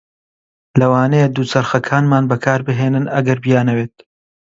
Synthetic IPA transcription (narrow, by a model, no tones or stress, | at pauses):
lɐwaːnejd̪uːt͡sɐɾxɐkʰaːnmaːnbɐkʰaːɾbɨɦeːnɨnɐɡɐɾbijaːnɐweːt̪̚